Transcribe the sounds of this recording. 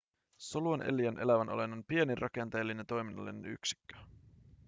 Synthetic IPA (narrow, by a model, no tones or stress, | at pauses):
so̞luɑnʔe̞̰lːiænʔe̞læʋænʔo̰le̞nːɑnpie̞nirʔɑke̞nt̪elːine̞nt̪o̞jminːɑ̰lːineny̰ksi̥kːø̥